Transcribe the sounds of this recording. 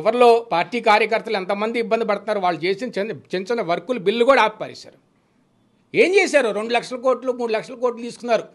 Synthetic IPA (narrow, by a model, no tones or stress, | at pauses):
ʋɐɾlo̞ːpaːɾʈːiːkaːɾjɐkɐɾt̪ɐlɛnt̪ɐmɐnd̪iːbːɐnd̪ipɐɽut̪unːaːɾuʋaːɭːut͡ʃe̞ːsinɐt͡ʃent͡ʃɐnɐʋɐɾkulubilːukoːɽaaːppaːɾḭːsa̰ːɾu | e̞ːmt͡ʃeːs̬aːɾuɾe̞ɳɖulɐkʂɐlɐko̞ːɾʈlumuːɽulɐkʂɐlɐkoːɾʈlut̪iːsukunːaːɾu